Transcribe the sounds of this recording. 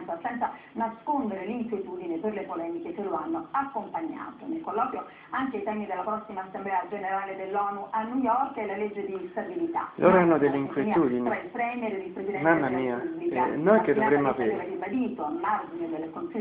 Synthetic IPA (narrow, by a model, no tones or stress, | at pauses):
nt̪asɛnt̪sanaskond̪eɾeliŋkwjet̪uːd̪ineperlepolɛːmikekelːoanːoakːompaɲːa̰ːt̪onelkolːɔːkjo | aŋkejt̪ɛmid̪elːapɾɔsːimaːsːemblɛad͡ʒeneɾaːled̪elːɔːnuʔanːujɔrkɛlaled͡ʒːed̪ist̪abilit̪a̰lʔo̰ːɾoanːod̪elːeiŋkwjemiuːd̪int͡ʃoɛilpɾɛmjɛɾed̪ilpɾezid̪ɛmamːamiːaubikanokːed̪ovɾemːoapiɾɛvaribad̪iːt̪oamːard͡ʒined̪elːekonsi